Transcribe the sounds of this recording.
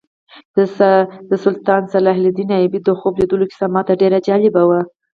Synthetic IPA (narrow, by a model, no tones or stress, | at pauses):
d̪əsʊlt̪ɑnsalɑɦlɪd̪inɑjɪbid̪oxobled̪əloki̥samɑt̪aɖeɾad͡ʒɑlɪbawa